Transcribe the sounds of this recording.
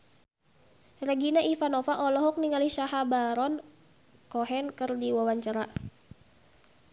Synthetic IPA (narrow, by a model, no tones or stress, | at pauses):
rɛɡinaʔifanɔfaʔɔlɔɦɔk̚niŋaliʃaɦabaɾɔn | kɔɦɛnkɨrdiwawaɲt͡ʃaɾa